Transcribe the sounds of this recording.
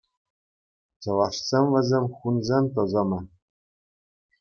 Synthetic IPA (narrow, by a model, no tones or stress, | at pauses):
t͡ɕɤ̆lɑʂsʲemʲʋʲɘ̆zʲemʲχunzʲemʲt̪̬ɤ̆zɤ̆mɤ̆